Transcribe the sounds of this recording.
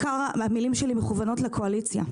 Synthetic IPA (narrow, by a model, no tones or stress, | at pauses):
kaʁamilimʃelimeχuvano̞tlekʰoalit͡sja̰